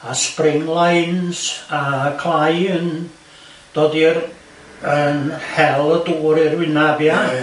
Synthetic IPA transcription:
asprɪŋlˠajnsakʰlˠajən | d̥oːdir | ənhɛlˠəduːɾirwɪnabja

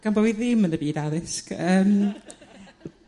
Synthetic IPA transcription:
ɡ̥ambɔwiðɪmənəbiːdaðɪskəːm

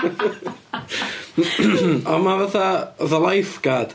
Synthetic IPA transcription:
ɔmavəðaɔðalˠajfɡ̥ad̥

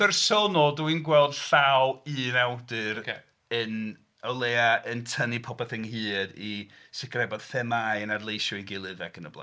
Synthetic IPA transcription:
ərsɔnɔlˠdəwinɡwɛlˠd̥ɬawɨːnawdɨɾ | ən | əlˠeːaʔəntʰənipʰɔpɛθɪŋhɨːdi | sɪkʰrɛbɔd̥θɛmaːjənadlˠejʃɔɨɡɪlˠɨðɛkʰənəblˠa̰

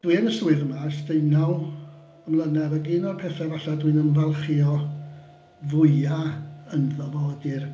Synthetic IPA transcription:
d̥winəsuɨðəmasd̥ejnaw | əmlˠənɛvəɡiːnɔrpʰɛθɛvaɬadwinənvalˠχiɔ | vʊjɨaənðɔvɔədɪr

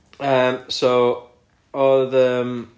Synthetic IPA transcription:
ʌmsoʊ | ɔlðəm

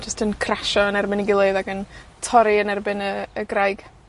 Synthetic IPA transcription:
d͡ʒəstʰənkʰraʃɔənɛrbɪniɡɪlˠeɨðaɡəntʰɔɾiənɛrbɪnəːɡrajɡ̥

